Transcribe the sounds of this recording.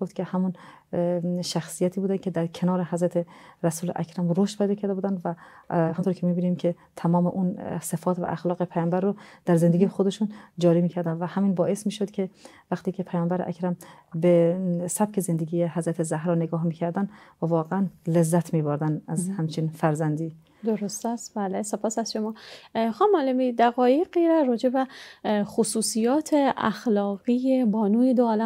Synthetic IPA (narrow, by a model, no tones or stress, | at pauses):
oft̪kʲʰehæmun | ʃæxsijæt̪ʰiːbuːd̪ænkʰed̪æɾkʰenɒːɾeɦæzɾæt̪ʰeɾæsuːlʔæ̰kʰɾæmɾoʃt̪pʰejd̪ɒːkʰæɾd̪ebuːd̪ænd̪vænt̪ʰoɾkʰemibiːnimkʰe | t̪ʰæmɒːmeʔunsefɒːt̪væ̰ʔæxlɒːɣepʰæjɒːmbæɾːod̪̥æɾzend̪eɡijxod̪eʃund͡ʒɒːɾiːmiːkʰæɾd̪ænd̪væhæmiːnbɒːe̞smiːʃod̪kʲʰe | væxt̪ʰiːkʰepʰæjɒːmbæɾeʔæ̰kɾæm | besæb̥̚cʰezend̪eɡiːjehæzɾæt̪ʰezæhɾɒːneɡɒːhmiːcʰæɾd̪ænvævɒːɣeænlezːæt̪ʰmiːboɾd̪ænæzhæmt͡ʃʰinfæɾzænd̪iː | d̪oɾost̪æst̪bæːlese̞pʰɒːsæz̥ʃomɒːxɑːmɒːlemid̪æɣɒːjeɣiːɾæɾɒːd͡ʒebexosuːsijɒːt̪ʰeæ̰xlɒːɣijebɒːnuːjed̪oːlæ